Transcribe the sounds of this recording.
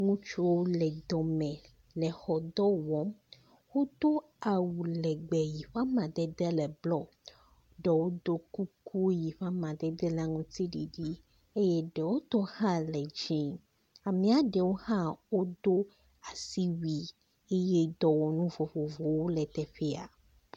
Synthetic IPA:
ŋũ˦t͡ʃu˦wo˦lɛ˨d̪ɔ˨mɛ̃˨ | lɛ˨xɔ˨d̪ɔ˦wɔ˨˦m | wo˦d̪o˦ | a˨wu˨lɛ˨ɡ͡bɛ˨ji˨ɸa˦mã˨d̪ɛ˦d̪ɛ˦lɛ˨blɔ˦ | ɖɛ˨wo˦d̪o˦ku˦ku˦ji˨ɸa˦mã˨d̪ɛ˦d̪ɛ˦la˦ŋũ˦t̪i˦ɖi˨ɖi˦ | e˦je˦ɖe˨wo˦t̪ɔ˦hã˦lɛ˨d͡ʒĩ˨ | a˨mĩ˨˦a˨ɖe˨wo˦hã˦wo˦d̪o˦ | a˨si˦wi˨ | e˦je˦d̪ɔ˨wɔ˨nũ˦vo˨vo˨vo˨wo˦lɛ˨t̪ɛ˨ɸe˦a˨

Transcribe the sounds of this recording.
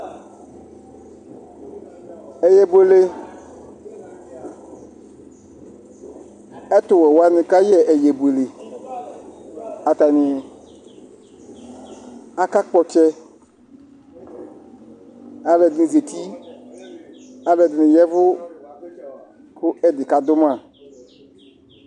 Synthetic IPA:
ɛ˨jɛ˨be˨le˦ | ɛ˦tʊ˨wɛ˨wa˦nɪ̃˨ka˦jɛ˦˨ʔɛ˨jɛ˨bu˨e˨le˨ | a˨ta˨nɪ̃˨ | a˦ka˦k͡pɔ˨t͡ʃɛ˧ | a˨lɛ˨dɪ˨nɪ̃˨ze˨t̪i˦ | a˨bɛ˨dɪ˨nɪ̃˨jɛ˦vʊ˦ | kʊ˦ɛ˦dɪ˨ka˨d̪ʊ˦mã˨

